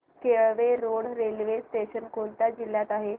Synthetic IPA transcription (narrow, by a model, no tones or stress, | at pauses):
keɭʋeɾoɽɾelʋesʈeɕənkolt̪ad͡ʑilːjat̪aɦe